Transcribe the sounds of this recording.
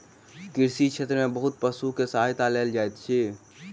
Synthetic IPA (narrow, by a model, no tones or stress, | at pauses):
kɪɾsit͡ʃʰeːt̪ɾəmẽbəɦʊt̪̚pəsukesajt̪aleːld͡ʒaːet̪t͡ʃʰeː